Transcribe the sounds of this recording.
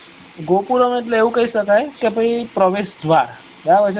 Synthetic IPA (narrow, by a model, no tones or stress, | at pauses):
ɡopuɾɔməʈ̬leeũkaisəkajkepəipɾəʋesd̪ʱʋaɾ | ɦjaʋəd͡ʑ